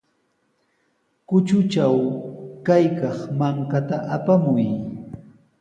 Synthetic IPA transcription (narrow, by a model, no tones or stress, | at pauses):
kʊt͡ʃʊt͡ʃawkajkɑχmaŋkat̪aʔapamʊj